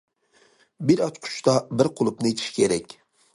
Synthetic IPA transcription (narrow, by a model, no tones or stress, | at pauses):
bɪɾɑt̪qʰʊ̥t͡ʃt̪ɑbɪɾqʰolˠʊp̚nɨet̪ʰi̥ʃi̥kʲʰeɾɛkʲ